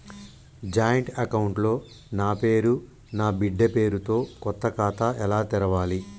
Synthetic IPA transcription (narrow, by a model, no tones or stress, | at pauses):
d͡ʒaːjɐɳʈɐkɐwuɳʈlo̞ː | naːpe̞ːɾu | naːbiɖːɐpe̞ːɾut̪o̞ːkɔt̪ːɐkaːt̪aʔɛlaːt̪ɛɾɐʋaːli